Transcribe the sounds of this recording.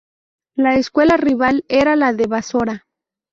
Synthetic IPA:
laeskwe̞lariβaleɾalaðeβaso̞ɾa

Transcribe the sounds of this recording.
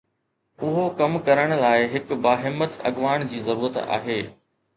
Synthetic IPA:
ʊɦokɐmkɐɾəɽ̃ʊ̆laːɪɦɪkbaːɦɪmːət̪ɐ̰ɠʋaːɽ̃d͡ʑiːzɐɾuːɾət̪a̰ːɦeː

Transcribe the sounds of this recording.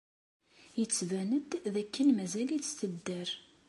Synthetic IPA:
jət͡sːvænəd̪ðækːənmæzælit͡sːθəd̪ːəɾ

